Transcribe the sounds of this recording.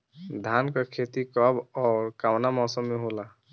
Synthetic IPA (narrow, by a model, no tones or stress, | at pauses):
d̪ʱankakʰet̪ikɔbɔːɾkawnamɔːsɔmːeɦola